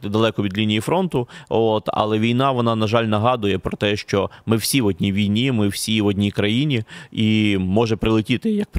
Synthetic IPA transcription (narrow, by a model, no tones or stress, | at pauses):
d̪ɐlˠɛkɔʋʲid̪lʲinʲijifɾɔnt̪ʊot̪ɐ̰lˠɛʋʲijnɑʋɔnɑnɐʒɑlʲnɐɦɑd̪ʊjɛpɾɔt̪ɛʃt͡ʃɔmɪwsʲiʋɔdʲnʲiʋʲijnʲimɪw̥sʲiʋɔdʲnʲikɾɐjinʲiimɔʒɛpɾɪlˠɪtʲit̪ɪjɐk̚p